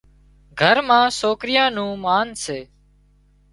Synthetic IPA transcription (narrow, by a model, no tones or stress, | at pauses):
ɡʱəɾmãːsoːkɾɪjãːnũːmaːnseː